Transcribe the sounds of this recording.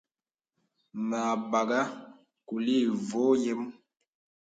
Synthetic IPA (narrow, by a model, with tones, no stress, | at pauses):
na˨ba˨ɡa˦ | ku˨li˦˨vo˦je˦m